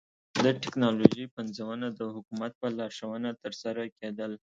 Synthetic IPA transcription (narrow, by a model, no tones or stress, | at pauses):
d̪əʈɪknɑloʒipanzawənad̪əhʊkumat̪̚pəlɑɾʃawənat̪əɾsaɾaked̪əl